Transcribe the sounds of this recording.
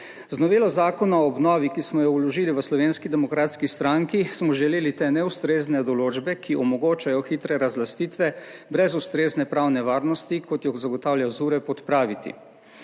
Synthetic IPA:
znɔʋeːlɔzaːkɔnaɔːbnɔːʋikismɔjɔwlɔʒiːliʋəslɔʋeːnskid̪ɛmɔkɾaːt̪skist̪ɾaŋkismɔʒɛleːlit̪eːnɛust̪ɾeːznɛd̪ɔloːd͡ʒbɛkʰiʔɔmɔɡoːt͡ʃajɔxit̪ɾɛɾazlast̪iːt̪ʋɛbɾɛzust̪ɾeːznɛpɾawnɛʋaːɾnɔst̪ikɔt̪jɔxzaɡɔt̪aːwljazuːɾɛpɔt̪pɾaːʋit̪ḭ

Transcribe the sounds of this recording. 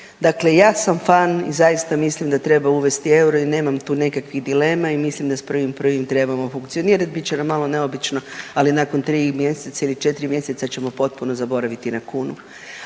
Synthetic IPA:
d̪akle̞jaːsamfanḭzajist̪amislimd̪at̪ɾe̞bauʋe̞st̪ie̞wɾo̞ine̞ːmamt̪uːnekakʋiɣd̪ile̞ːmaimislimd̪aspr̩ʋimpr̩ʋimt̪ɾe̞bamo̞fuŋkt̪sio̞niːɾat̪̚bitt͡ɕenamːalo̞ne̞o̞bit͡ʃno̞alinako̞nt̪ɾiːmje̞set̪sailit͡ʃe̞t̪ɾimje̞set̪sat͡ɕe̞mo̞po̞t̪̚puno̞zabo̞ɾaʋit̪inakuːnṵ

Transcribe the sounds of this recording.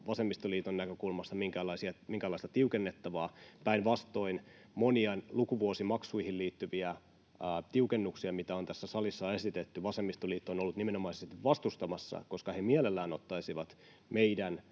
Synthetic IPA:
ʋɑsemːist̪oliːt̪onːækøkulmɑst̪ɑmiŋkælɑisiɑmiŋkælɑist̪ɑt̪iukenːet̪ːɑʋɑːpæinʋɑst̪o̞in | moniɑnlukuʋuosimɑksuihilliːt̪ːyʋiæː | t̪iukenːuksiɑmit̪æo̞nt̪æsːæsɑlisːɑe̞sit̪et̪ːyʋɑsemːist̪oliːt̪ːono̞lːut̪nimenomɑiseest̪iʋʋɑst̪ust̪ɑmɑsːɑ̰ko̞skɑhemiælelːæːno̞t̪ːɑisiʋɑt̪ | meidæn

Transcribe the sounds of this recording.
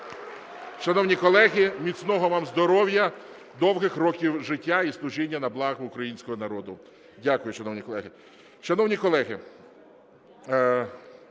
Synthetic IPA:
ʃɐnɔwnʲikɔlˠɛɦimʲit̪snɔɦɔʋɑmzd̪ɔɾɔwjɐ | d̪ɔwɦɪxɾɔkʲiwʒɪtʲːaislˠʊʒinʲːɐnɐblˠɑɣʊʊkɾɐjinʲsʲkɔɦɔnɐɾɔd̪ʊ | dʲakʊjʊʃɐnɔwnʲikɔlˠɛɦɪ | ʃɐnɔwnʲikɔlˠɛɦɪ

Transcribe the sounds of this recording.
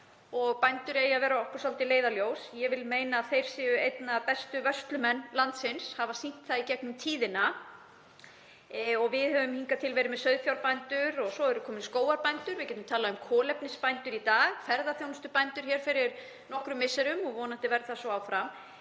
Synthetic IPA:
ɔɣpajnt̪ʏɾɛjavɛːɾaɔhkɔɾ̥sɔlt̪ɪleːjðaljoːwsjɛvɪlmeːjnaːθejɾ̥sɪʏejt̪napɛst̪ʏvœst̪lʏmɛnːlant̪sɪnshavasin̥t̪θaicɛknʏmt̪ʰiːðɪna | ɔɣvɪðhœvʏmhiŋkat̪ʰɪlvɛːɾɪmɛðsœɥðfjawɾpajnt̪ʏɾɔɣsɔɛɾʏkʰɔːmɪnskoːwaɾpajnt̪ʏɾvɪcɛːt̪ʏmt̪ʰaːlaʏmkʰɔːlɛpnɪspajnt̪ʏɾit̪aːɣfɛɾðaθjownʏst̪ʏpajnt̪ʏɾ̥çɛːɾ̥fɪɾɪɾ | nɔhkɾʏmɪsɛɾʏmɔɣvɔːnaht̪ɪvɛɾθasɔaːwfɾam

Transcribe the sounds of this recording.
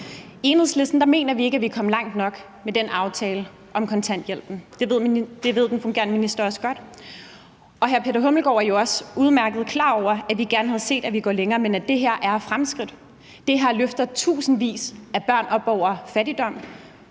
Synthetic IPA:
e̝ːnhe̝ð̰ˠsle̝sd̥n̩d̥ɑ̈me̝̰ːnɐʋie̝ɡ̥æʋikʰɒ̽m̰lɑ̈ŋ̰d̥nɒ̽ɡ̥ | med̥enʔɑ̈ʊt͡sʰɛːlə | ʔɒ̽mkʰɒ̽nt͡sʰæn̰d̥jel̰b̥n̩d̥e̝ʋe̝ð̰ˠd̥e̝ʋe̝ð̞̰ˠd̥enfɔ̽ŋɡe̝ɐnəminisd̥ɐɒ̽səɡ̥ɒ̽d̥ | ɒ̽ɦæɐpʰe̝dɾɐɦɔ̽ml̩ɡ̥ɒ̰ːɐjo̝ɒ̽suð̞ˠmæɐɡ̥əð̞̩ˠkʰlɑ̰̈ːɒʊ̰ɐæʋiɡ̥æɐnhæð̞ˠse̝̰ːd̥æʋiɡ̥ɒ̰ːleŋɐːmenæd̥e̝ɦe̝ɐ̰ʔæɐfʁamsɡ̥ʁid̥ | d̥e̝ɦæɐløfd̥ɐð̩ˠt͡sʰṵːsn̩ʋḭːsæb̥ɶɐ̰nɒ̽b̥ɒʊ̰ɐfæɾid̥ɒ̽m̰

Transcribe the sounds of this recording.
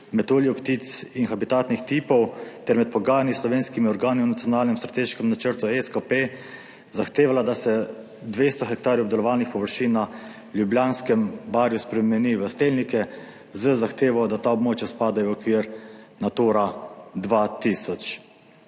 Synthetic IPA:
mɛt̪oljiɔkt̪it̪sinxabit̪aːt̪nixt̪iːpɔwt̪ɛɾmɛt̪̚pɔɡaːjanislɔʋeːnskimiɔɾɡaːniwnat̪sijɔnaːlnɛmst̪ɾat̪eːʃkɛmnat͡ʃəɾt̪uɛskape | zaxt̪eːʋalad̪asɛ | d̪ʋeːst̪ɔxɛk̚t̪aːɾjɔbd̪ɛlɔʋaːlnixpɔʋəɾʃiːnːa | ljubljaːnskɛmbaɾjuspɾɛmɛniʋəst̪eːlnikɛ | zəzaxt̪eːʋɔd̪at̪aɔbmoːt͡ʃjaspaːd̪ajɔɔkʋiːɾnat̪oːɾad̪ʋat̪iːsɔt͡ʃ

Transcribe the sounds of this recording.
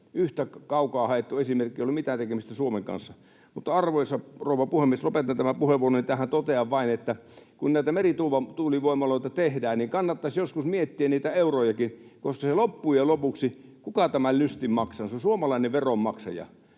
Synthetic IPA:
yht̪ækɑukɑːhɑet̪ːuesimerkːˑieolimit̪æːt̪ekemist̪æsuomeŋkɑ̰nsːɑ | mut̪ːɑɑrʋojsɑroˑuʋˑɑpuhemːieslopet̪ːɑnt̪æmæpuheʋːˑuoronit̪æːhænt̪ot̪eɑʋʋɑinet̪ːækunnæˑit̪æmerit̪uːʋɑt̪uːliʋoˑimːˑɑloˑit̪ɑt̪ehdæːnniŋkɑnːɑt̪ːɑsjoskusmiet̪ːiænniːt̪æeurojɑkinkoskɑselopːuːjelopuksikukɑt̪æmælnyst̪immɑksɑnsosuomɑlɑineʋʋerommɑksɑ̰jɑ̰

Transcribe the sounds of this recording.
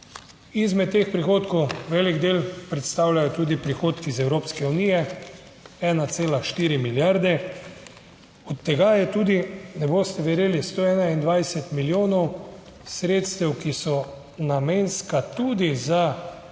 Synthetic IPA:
izmɛt̪ːeːxpɾixoːt̪kɔwʋɛːliɡd̪eːlpɾɛt̪st̪awlʲajɔt̪uːd̪ipɾixoːt̪kizɛwɾoːpskɛunijɛ | ɛːnat̪seːlaʃt̪iːɾimiljaɾd̪ɛ | ɔt̪ːɛɡajɛt̪uːd̪inɛboːst̪ɛʋɛɾeːlist̪oːɛːnaind̪ʋajsɛt̪miljoːnɔw | sɾeːt̪st̪ɛwkisɔ | nameːnskat̪uːd̪iza

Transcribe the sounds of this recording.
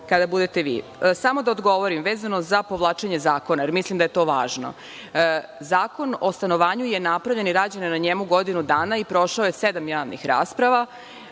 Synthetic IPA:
kad̪abud̪e̞t̪eʋḭːsamo̞d̪aod̪ɡo̞ʋoɾimʋeːzanozapo̞ʋlˠaːt͡ʂeɲe̞zaːko̞naje̞ɾmislˠimd̪aje̞t̪o̞ːʋa̰ːʒno̰ | zaːko̞nost̪ano̞ʋaːɲuje̞napɾaʋʎe̞niɾaːd͡ʑanenaɲemuɡod̪inud̪aːnaipɾo̞ʃaojesed̪amjaːʋnḭxɾa̰ːspɾaʋa

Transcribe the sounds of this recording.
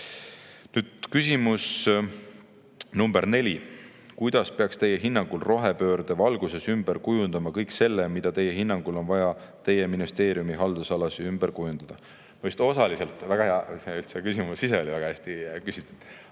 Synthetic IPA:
nyːd̪̥kysʲimus | numb̥eɾne̞lʲi | kujd̪̥ɑspe̞ɑkst̪e̞jeɦinːɑŋɡ̥ulro̞ɦe̞pø̞ːɾd̪̥evɑlɡ̥use̞symb̥eɾkujund̪̥ɑmɑkɤjkse̞lːemid̪̥ɑt̪e̞jeɦinːɑŋɡ̥ulo̞nvɑjɑt̪e̞jːe̞minist̪e̞ːɾijumiɦɑld̪̥usɑlɑsiymb̥eɾkujund̪̥ɑd̪̥ɑ | mojst̪o̞sɑlise̞lt̪ːˑvæɡ̥ɑheɑseylt̪sekysimusise̞o̞lʲivæɡɑhæsʲt̪ikysit̪ːˑu̥d̪̥

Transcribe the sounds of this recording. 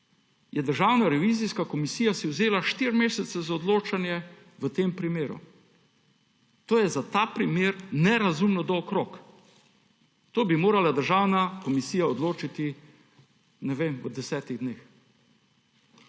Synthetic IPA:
jɛd̪əɾʒaːwnaɾɛʋiːziskakɔmisiːjasiwzeːlaʃt̪iɾmeːsɛt̪sɛzaɔd̪loːt͡ʃanjɛ | ʋət̪eːmpɾimeːɾṵ | t̪oːjɛzat̪aːpɾimeːɾnɛɾazumnɔd̪ɔːkɾoːk | t̪oːbimoːɾalad̪əɾʒaːwnakɔmisiːjaɔd̪loːt͡ʃit̪i | nɛʋeməd̪ɛsɛːt̪iɣd̪neːx

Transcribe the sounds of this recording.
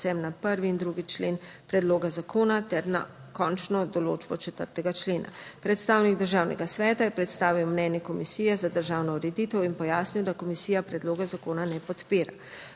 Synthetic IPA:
sɛmnapəɾʋiːnd̪ɾuɡit͡ʃleːnpɾɛd̪loːɡazakʰoːnat̪ɛɾna̰kɔnt͡ʃnɔd̪ɔlo̰ːd͡ʒbɔt͡ʃɛt̪əɾt̪ɛɡat͡ʃleːna̰pɾɛt̪st̪aːwniɡd̪əɾʒaːwnɛ̰ɡasʋɛːt̪ajɛpɾɛt̪st̪aːʋiwmnɛnjɛkɔmisiːjɛzad̪əɾʒawnɔɾɛd̪iːt̪ɔwinpɔjaːsniwd̪akɔmisijapɾɛd̪loːɡazakoːnanɛpɔt̪peːɾa̰

